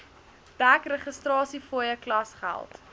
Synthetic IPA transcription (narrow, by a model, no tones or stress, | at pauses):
d̥ækrəχəstrɑːsifoəjəklɐsχæ̰lˠt